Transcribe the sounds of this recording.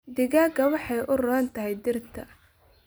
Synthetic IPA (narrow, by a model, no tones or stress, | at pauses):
d̪ɪɣaːɡɐwɑħɑjʔʊrɔɐnt̪ʰɐɦɛjd̪ɪrt̪ʰɐ